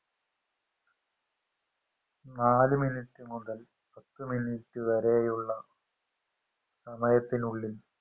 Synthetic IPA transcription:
naːlɨminiʈːɨmuðɐl | pɐt̪ːɨminiʈːɨʋɐɾejuɭːɐ | sɐmɐjɐt̪ːinuɭːil

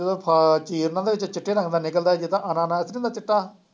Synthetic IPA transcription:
d̪õpʰat͡ʃiːɾnãːd̪eːʋɪt͡ʃt͡ʃɪʈʰːeːɾə̃ŋɡd̪aːnɪkəld̪aːd͡ʒiːt̪ãːʔənãːnãːɪsɾĩd̪aːt͡ʃɪʈːaː

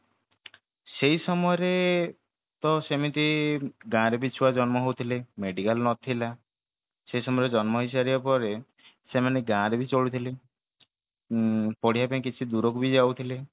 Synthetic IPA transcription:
seisɔmɔɔɾe | t̪ɔsemit̪iɡãɾebit͡ʃʰuwad͡ʒɔnmɔɦowt̪ʰilemeɖikalnɔt̪ʰila | seisɔmɔeɾed͡ʒɔnmɔɦis̬aɾiapɔɾe | semaneɡãɾebit͡ʃoɭut̪ʰile | pɔɽ̤ijapaĩkit͡ʃʰid̪uɾokubid͡ʒawt̪ʰile

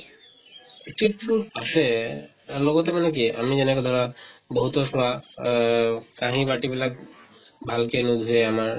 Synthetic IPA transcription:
ʈiʈpuʈasɛ | lɔɡɔt̪ɛmanɛk̬ia̰mizɛnɛkɔd̪ʱɔɹabɔɦut̪ɔsɔa | kãɦĩbaʈibilak̚ | bʱalkenud̪ʱuɛamaɹ

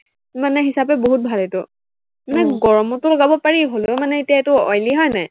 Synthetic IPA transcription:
manɛɦisapɛboɦut̚bʱaletʊ | manɛɡɔɹɔmɔtʊlɔɡabɔpaɹiɦolomanɛetijaetʊɔ̰jliɦɔjnaj

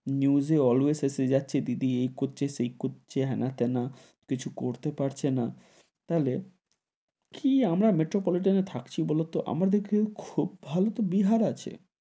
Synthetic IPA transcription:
njuzeɔloesesed͡ʑatːɕʰed̪id̪iejkotːɕeʃejkotːt͡ɕeɦɛnʔat̪ena | kit͡ɕʰukoɾt̪epaɾt͡ɕʰena | t̪aɦle | kʰiamɾameʈɾopɔliʈ̬anet̪ʰakt͡ɕʰibɔlot̪oʔa̰maɾd̪ekʰekʰubːʱalot̪obiɦaɾat͡ɕʰḛ

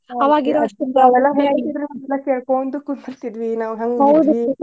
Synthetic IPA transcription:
ɐʋaːɡiɾoiaʋɛlːɐɦet̪id̪ɾumɐɛlːɐkeːɭkoːnd̪ukunːiɾt̪id̪ʋinaːʋuɦɐŋɡɐwd̪ui

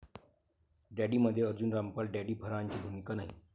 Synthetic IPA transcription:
ɖæɽiməd̪ʱːjeəɾd͡ʑunɾampəlɖæɽiːbʰʱəɾaɲt͡ɕiːbʱumikanaɦḭ

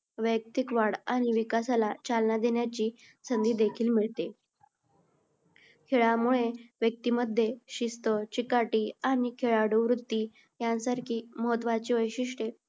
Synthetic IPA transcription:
ʋək̚t̪ikʋaɽaɽ̃iʋikasalat͡salnad̪eɳjat͡ɕiː | sənd̪iːd̪ekʰiːlmiɭt̪e | kʰeɭamuɭeʋjək̚t̪iːməd̪ʱːjeɕist̪ət͡ɕikaʈiːañikʰeɭaɽuʋɾut̪ːi | jãnsaɾkʰiːməɦət̪ʋat͡ɕiʋəjɕiʂʈe

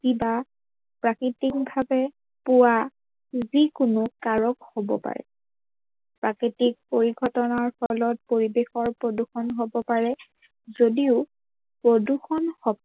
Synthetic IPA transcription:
kiba | pɹakɹitik̚bʱabɛ | pʊwa | zikʊnʊkaɹɔkhobɔ̰pa̰ɹɛ̰ | pɹakitik̚poɹiɡʱɔtɔnaɹfɔlɔt̚poɹibexɔɹpɹoduxɔnɦobɔpaɹɛ | zodiʊ | pɹoduxɔnhɔb

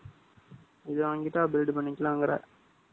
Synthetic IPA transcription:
ɪðɯʋaːŋɡɪʈːaːbɪlɖɯpɐɳːɪkːɐlãːŋɡɐɾa̰ːɾ

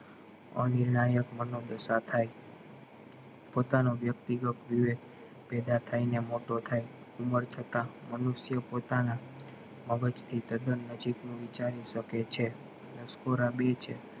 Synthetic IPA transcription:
ə̰nɪɾnajəkmənod̪əsat̪ʰaj | pot̪anoʋjək̚t̪iɡək̪ʋiʋe | pɛd̪at̪ʰainemoʈot̪ʰaj | uməɾt̪ʰət̪amənuʃjəpot̪ana | məɡət͡ʃt̪ʰit̪əd̪ənːəd͡ʒiknũʋit͡ʃaɾiʃəket͡ʃʰe | ləskoɾabet͡ʃʰḛ

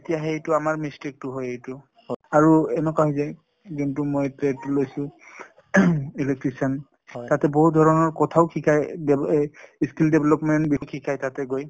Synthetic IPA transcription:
etijaɦejtʊamaɹmistik̚tʊɦojejtʊ | aɹuɛnɛkwaɦojzaj | ɡintumojtɛtːulojsʊ̃ | ilek̚tɹisan | tatɛboɦudʱɔɹɔnɔɹkɔtʰaʊkʰikʰajdɛiskildɛbʱɛlɔpmɛntbikʰikʰajtatɛɡoj

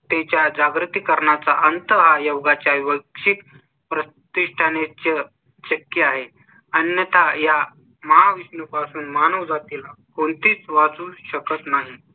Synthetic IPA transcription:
t̪et͡ɕjad͡zaɡɾut̪iːkəɾɳat͡saʔənt̪əɦajəwɡat͡ɕjaʋiʋəkʂik | pɾə | t̪iʂʈʰanet͡ɕə | ɕəkjəaɦe | ənjət̪ʰaja | məɦaʋisnəpasuːnmanəʋd͡zat̪ila | kont̪iːt͡sʋat͡suːɕəkət̪naɦi

